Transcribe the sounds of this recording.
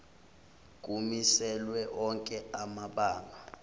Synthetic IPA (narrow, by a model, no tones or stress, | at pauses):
k̬ʼumisɛlwɛʔɔŋkʼɛamaɓaːŋa